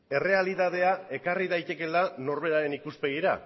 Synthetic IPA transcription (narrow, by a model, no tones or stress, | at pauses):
e̞re̞aliðað̞e̞ae̞kariðajt̪e̞ke̞lano̞ɾβe̞ɾaɾe̞nikuspe̞ɣ̞iɾa̰